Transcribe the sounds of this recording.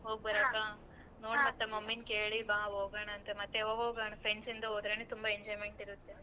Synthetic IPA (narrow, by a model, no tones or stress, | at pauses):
ɦoːɡ̚bɐɾaːkaː | noːmɐt̪ːɐmɐmːinkeːɭibaːɦoːɡaːɳɐːnt̪ɐmɐt̪ːeɦoːɡoːɡaːɳɐfʰɾeɳsind̪ɐɦoːd̪ɾeneːt̪umbaeɲd͡ʒɔjmeɳʈiɾut̪ːe